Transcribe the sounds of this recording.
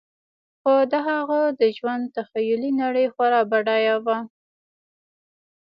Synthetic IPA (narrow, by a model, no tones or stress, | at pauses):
xod̪aɦaɣad̪əʒwand̪t̪axajʊlinaɽəjxwaɾɑbaɽɑjawa